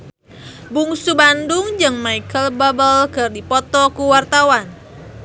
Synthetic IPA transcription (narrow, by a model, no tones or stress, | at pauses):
buŋsubandʊŋd͡ʒɨŋmaikəlbabəlɡ̥ərdipɔt̪ɔkuwart̪awan